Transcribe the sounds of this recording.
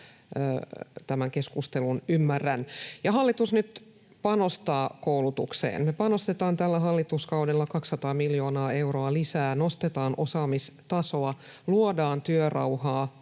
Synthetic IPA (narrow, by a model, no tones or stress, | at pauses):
t̪æmæŋkeskust̪elunymːærːænjɑɦɑlːit̪usnyt̪ | pɑnost̪ɑːkoulut̪uksḛːnmepɑnost̪et̪ɑːnt̪ælːæɦɑlːit̪uskɑudelːɑkɑksːɑt̪ɑːmiljo̞ːnɑːe̞wroɑlisæːnost̪et̪ɑːnʔosɑːmist̪ɑso̞ɑluodɑːnt̪yørɑ̰whɑː